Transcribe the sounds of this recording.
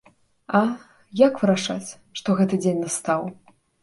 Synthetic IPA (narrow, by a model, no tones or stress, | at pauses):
ɐ | jakvɨɾaʂa̰t͡sʲ | ʂt̪ɔɣɛt̪ɨd͡zʲenʲnast̪aw